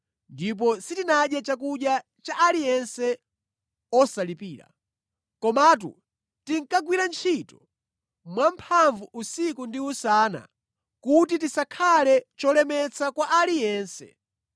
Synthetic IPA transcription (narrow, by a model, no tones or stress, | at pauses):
ndip̬ɔsitinaɗjat͡ʃak̬uɗja | t͡ʃaʔalijɛnsɛ | ɔsalipiːɾa̰ | kɔmat̬ṵ | tiŋ̩kaɡwiɾant͡ʃʰitɔ | mwam̩pʰaɱvuʔusikundiusaːna̰ | kutitisakʰalɛt͡ʃɔlɛmɛt͡sʰakwaʔalijɛːnsɛ̰